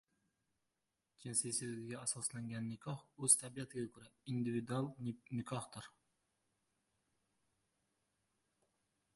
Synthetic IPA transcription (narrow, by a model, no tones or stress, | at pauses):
t͡ʃʰensesɪlɡʲɪɡʲaːsɑslaŋɡʲanːɪkʰɑχɵz̥t̪ʰabijat̪ʰɪɡʲakʲʰɵɾaind̪ɪvid̪ualˠnɪkʰɑhd̪ɪɾ